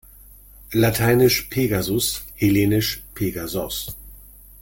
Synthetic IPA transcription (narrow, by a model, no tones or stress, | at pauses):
latʰaɪnɪʃpʰeːɡazʊsheleːnɪʃpʰeɡazɔs